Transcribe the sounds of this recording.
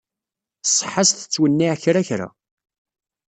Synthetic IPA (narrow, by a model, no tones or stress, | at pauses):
sˤħasθə̥t͡sːwənːiʕçɾæçɾæ̰